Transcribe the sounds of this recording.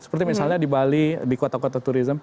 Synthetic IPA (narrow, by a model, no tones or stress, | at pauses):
sə̥pərt̪imisalɲadibalidikot̪akot̪at̪uɾizəm